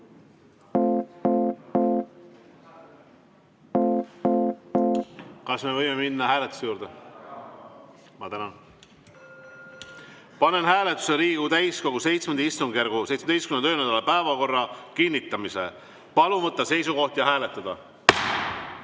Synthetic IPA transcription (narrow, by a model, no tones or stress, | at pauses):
kɑsme̞vɤjme̞minːɑhæːlet̪ːˑu̥sejuːɾd̪̥e | mɑt̪ænɑn | pɑne̞nɦæːle̞t̪ːˑu̥seɾiːɡ̥ut̪æjsko̞ɡ̥use̞jt̪smend̪ist̪uŋɡjærɡ̥usejt̪smet̪ejstkymnøːnæd̪ɑlepæevɑko̞rːɑkinʲːit̪ːˑɑmise̞̰ | pɑluvɤt̪ˑːɑse̞jsuko̞ht̪jɑɦæːlet̪ːˑɑd̪̥ɑ